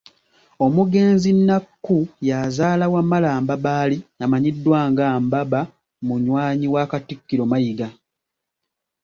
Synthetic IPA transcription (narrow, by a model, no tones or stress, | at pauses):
o̞muɡe̞ːnzinːakːujazaːlawamalaːmbabaːlinamaɲidːwaːŋɡambaβa | muɲwaːɲiwaːkatikːiɾomajiɡa